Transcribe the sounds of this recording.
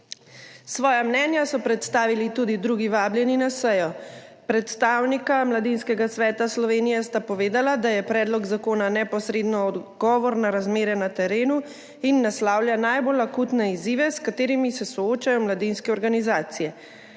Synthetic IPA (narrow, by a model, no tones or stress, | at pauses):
sʋɔːjamnɛːnjasɔpɾɛt̪st̪aːʋilit̪ud̪id̪ɾuːɡiʋaːbljɛninasɛjɔpɾɛt̪st̪aːwnikamlad̪inskɛɡasʋɛːt̪aslɔʋeːnijɛst̪apɔʋeːd̪alad̪ajɛpɾɛːd̪lɔɡzakoːnanɛpɔsɾeːd̪nɔːd̪ɡɔːʋɔɾnaɾazmeːɾɛnat̪ɛɾeːnu | inːaslaːwljanajbolakuːt̪nɛiziːʋɛskat̪eːɾimisɛsɔoːt͡ʃajɔmlad̪inskɛɔɾɡanizaːt̪sijɛ